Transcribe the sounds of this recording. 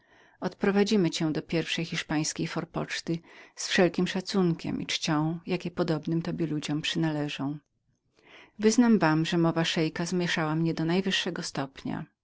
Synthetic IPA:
ɔt̪pɾɔvad͡ʑimɘt͡ɕɛw̃d̪ɔpʲjɛɾfʂɛjxʲiʂpaj̃skʲejfɔɾpɔt͡ʂt̪ɘsfʂɛlkʲimʂat̪suŋkʲɛ̰mʔḭt͡ʂt͡ɕɔ̃w̃jakʲɛpɔd̪ɔbnɘmt̪ɔbʲjɛlud͡ʑɔmpʂɘnalɛʐɔ̃w̃ | vɘznamvamʐɛmɔvaʂɛjkazmʲjɛʂawamɲɛd̪ɔnajvɘʂːɛɡɔst̪ɔpɲa̰

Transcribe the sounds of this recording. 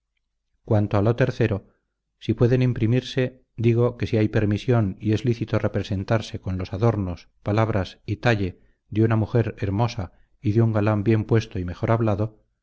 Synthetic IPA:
kwant̪o̞alo̞t̪e̞ɾθe̞ɾo̞ | sipwe̞ðe̞nimpɾimiɾse̞ | d̪iɣ̞o̞ke̞siajpe̞ɾmisjo̞nie̞zliθit̪o̞re̞pɾe̞se̞nt̪aɾse̞ko̞nlo̞saðo̞ɾno̞s | palaβ̞ɾʔasit̪aʎe̞ | ðeunamuxe̞ɾe̞ɾmo̞sa | iðeuŋɡalambje̞mpwe̞st̪o̞ime̞xo̞ɾaβlaðo̞

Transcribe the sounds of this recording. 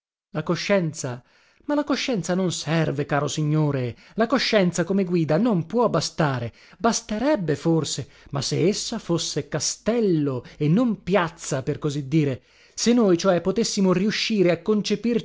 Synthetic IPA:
lakoʃːɛnt̪sa | malakoʃːɛnt̪sanonsɛrvekaːɾosiɲːoːɾe | lakoʃːɛnt̪sakomeɡwiːd̪anompwɔbːast̪aːɾe | bast̪eɾɛbːeforse | masːeesːafosːekast̪ɛlːoenːompjat̪sːaperkozid̪ːiːɾe | senːojt͡ʃoɛpːot̪esːimoriuʃːiːɾeakːont͡ʃepir

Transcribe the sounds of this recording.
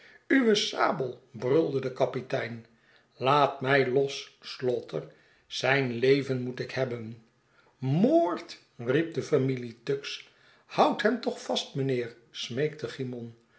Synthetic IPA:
yʋəsa̰ːbəlˠbrølˠdədəkɑpitɛjn | laːtmɛjlɔsslɔtər | z̥ɛjnlejvənmutɪkhɛbən | moːɹt | rip̚dəfamilitɵks | hʌwtɦɛmtɔχfɑstmənɪːɹ | smejk̚təχimɔn

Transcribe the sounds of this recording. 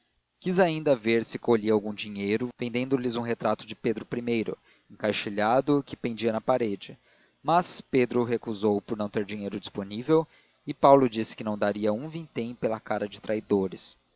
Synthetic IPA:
kizaĩnd̪ɐveɾsɪkoʎiɐawɡũd͡ʒiɲejɾʊvẽnd̪ẽnd̪ʊlɪzũɦet̪ɾat̪ʊd͡ʒɪped̪ɾʊpɾimejɾʊ̰ | ẽŋkajʃiʎad̪ʊkɪpẽnd͡ʒiɐnɐpaɾed͡ʒɪ | mɐsped̪ɾʊɦekuzowpʊɾnɐ̃w̃t̪eɾd͡ʒĩɲejɾʊd͡ʒisponivew | ɪpawlʊd͡ʒisɪ̥kɪnɐ̃w̃d̪aɾiɐũvĩt̪ẽj̃pelɐkaɾɐd͡ʒɪt̪ɾʔaid̪oɾɪs

